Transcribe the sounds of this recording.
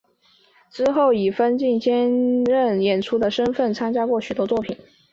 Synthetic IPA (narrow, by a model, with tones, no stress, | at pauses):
ʈ͡ʂɻ̩˥xo˥˩ʊi˨˩fə˥nt͡ɕi˥˩nt͡ɕjɛ˥nɻə˥˩njɛ˨˩nʈ͡ʂʰu˥d̪ə˨ʂə˥nfə˥˩nt͡sʰa˥ŋt͡ɕja˥kwɔ˥˩ɕy˨˩t̪wɔ˥t͡swɔ˥˩pʰi˨˩˦n